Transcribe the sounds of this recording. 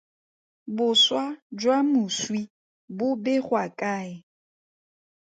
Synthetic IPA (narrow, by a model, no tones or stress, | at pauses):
bʊswad͡ʒwamʊswi | bʊbɪχwakʼaːɪ